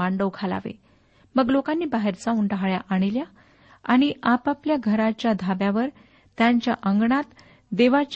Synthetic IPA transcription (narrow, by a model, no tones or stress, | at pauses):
aɳɖəʋkʰala̰ʋḛ | məɡlokanːiːbaɦeɾt͡sauːɳɖaɦɭja̰ʔaɽ̃ilja | aɽ̃iʔapapljaɡʱəɾat͡ɕjad̪ʱabjaʋəɾ | t̪jaɲt͡ɕjaʔəŋɡɳat̪ | d̪eʋat͡ɕ